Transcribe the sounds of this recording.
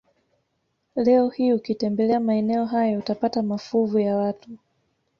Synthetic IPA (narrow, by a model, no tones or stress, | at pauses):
lɛɔhiukitɛmbɛlɛamaɛnɛɔɦajɔutapatamafuvujawatu